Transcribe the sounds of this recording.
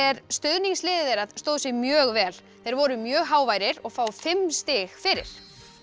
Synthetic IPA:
ɛɾst̪ʏðniŋslɪːðɪðejɾaðst̪oːwðʏsɪɣmjœːɣvɛːl | θejɾvɔɾʏmjœːɣɦaːwvajɾɪɾɔɣfaːwfɪmst̪ɪɣfɪɾɪ̰ɾ̥

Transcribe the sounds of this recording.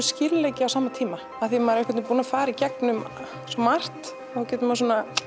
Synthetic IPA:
scɪlleːjcɪawsaːmat̪ʰiːma | aθimaɾɛhkʰvɛt̪puːnafaːɾaicɛknʏm | sɔmar̥t̪ | ɔhawcɛːt̪mas̬uːna

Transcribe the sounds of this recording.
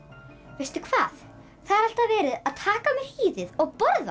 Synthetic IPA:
vejst̪ʏ̥kʰv̥aːθ | θaðɛɾal̥t̪avɛːɾɪðaðt̪ʰaːkamɛɾ̥hiːðɪðɔɣpɔɾða

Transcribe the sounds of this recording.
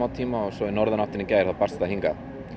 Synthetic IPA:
awt̪ʰiːmaɔsɔɪnɔɾðanaht̪ɪnːɪcaːjɾ̥θawpar̥st̪aɦiŋka

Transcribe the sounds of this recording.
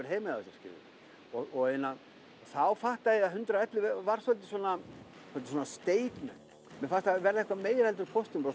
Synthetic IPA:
ɪɾ̥ɦejmɪðaʏsaɾscɪ̰ɾvɪ̰ | ɔɔɣejna | θawfaht̪aðɪaðɦʏnt̪ɾaɛt̪lɪvvaɾ̥sɔlt̪ɪswɔna | sɔlt̪ɪswɔnast̪eːjt̪mɛn | mɛfast̪avɛɾðaɛhkvameːjɾɛlt̪ʏɾkʰɔst̪ʏmpɾa

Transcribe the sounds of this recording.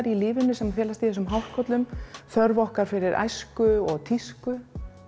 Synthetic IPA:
ɾilɪːvɪnːʏsɛmaθɛːlast̪iθɛs̬ʏmɦawr̥kʰɔt̪lʏmθœɾvɔhkaɾ̥fɪɾɪɾʔa̰jskʏɔɣt̪ʰiskʏ

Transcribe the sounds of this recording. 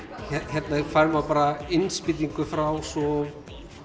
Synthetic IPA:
çɛçɛt̪najɛfaɾmawpaːɾaɪnspɪt̪̬iŋkʏfɾawsɔ

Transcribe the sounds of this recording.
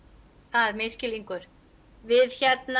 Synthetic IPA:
θaðmɪscɪliŋkʏɾ̥ | vɪðçɛt̪̚n

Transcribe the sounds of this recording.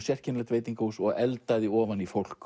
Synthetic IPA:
sjɛr̥cʰɪnlɛt̪veːjt̪iŋkahusɔɣɛlt̪aðɪɔːvanifowl̥k

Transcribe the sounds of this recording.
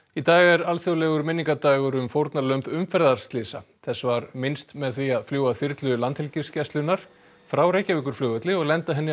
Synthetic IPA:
it̪aːɣɛɾalθjowlɛɣʏɾmɪnːiŋkat̪aːɣʏɾʏmfowɾt̪nalœmpʏmfɛɾðaɾ̥st̪lɪsa̰ | θɛsːvaɾmɪnst̪mɛðθviaðfljuːwaθɪɾt̪lʏlant̪hɛlcɪscɛst̪lʏnːaɾ̥ | fɾawɾeːjhcavɪk̬ʏɾ̥flʏːɣœt̪lɪɔɣlɛnt̪aɦɛnːɪ

